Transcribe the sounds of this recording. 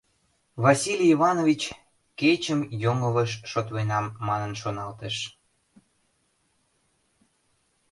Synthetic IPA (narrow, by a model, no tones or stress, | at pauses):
βɑsilʲivɑnovʲit͡ɕ | ket͡ɕəmjoŋəβəʃʃot̪βenɑmːɑnənʃonɑlt̪eʃ